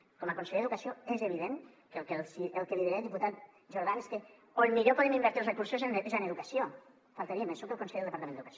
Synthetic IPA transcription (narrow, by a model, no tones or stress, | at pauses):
kɔməkonseʎeeðukɐsioezeβ̞iðeŋ | kəlkelsielˠkeðiðiɾelˠd̪iput̪at̪̚ | ʒoɾð̞aneske | onmiʎopɔðemimbɛɾt̪ilˠzrekuɾsozenzaneðukɐsio | falˠt̪aɾiemensukəlˠkonsejelˠd̪əpɐɾt̪ɐmenəðukɐso